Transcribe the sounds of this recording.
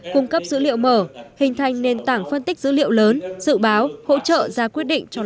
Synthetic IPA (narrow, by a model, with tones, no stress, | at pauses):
kʊ˧ŋ͡mkə˦˥p̚zɨ̰˧˥lḭ˧˨əwməː˧˩hï˨˩ŋ̟t̪ʰa˨˩jŋ̟ne˧nt̪aː˧˩ŋfə˧nt̪i˦˥k̟̚zɨ̰˧˥lḭ˧˨əwləː˨˦nzɨ̰˧˨ɓaː˨˦who̰˧˥t͡ɕə̰ː˧˨zaː˧kwi˦˥t̚ɗḭ̈˧˨ŋ̟t͡ɕɔ˧